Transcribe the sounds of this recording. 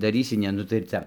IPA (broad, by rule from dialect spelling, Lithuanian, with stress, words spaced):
dɐˈrʲiːsʲɪ ˈnʲɛ nʊ tɐɪ ɪr ˈt͡sʲɛ